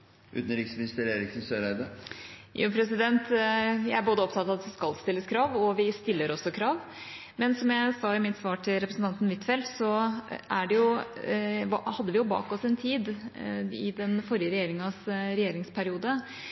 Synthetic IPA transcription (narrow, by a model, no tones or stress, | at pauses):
ʔʉ̰ːt̪n̩ɾɪksmɪnɪst̪əɾeːɾɪksn̩søːɾæɪd̪əjṵːpʰɾɛsɪd̪ɛnt̪jæɪæboːd̪əɔp̚t̪ʰɑt̪ɑʋɑt̪ʋɪskɑlst̪ɪlːəskʰɾɑːʋɔʋɪst̪ɪlːəɾɔsːɔkʰɾɑːʋ | mɛnsɔmjæɪsɑɪmɪt̪sʋɑːʈʰɪlɾɛpɾəsn̩t̪ɑnt̪ən̩ʋɪt̪ːfɛlsɔæɖɛjʊ | hɑd̪ːəʋɪjʊbɑ̰ːkɔsɛnt̪ʰiːd̪ | ɪ̰d̪ɛnfɔɾɪjəɾɛjeːɾɪŋɑsɾɛjeːɾɪŋspʰæɾɪuːd̪ə